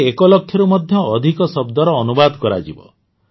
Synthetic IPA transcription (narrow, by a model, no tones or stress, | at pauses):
ekɔlɔkʰːjɔɾumɔd̪ʱjɔːd̪ʱikɔsɔbd̪ɔɾɔːnubad̪kɔɾa̰d͡ʒibɔ̰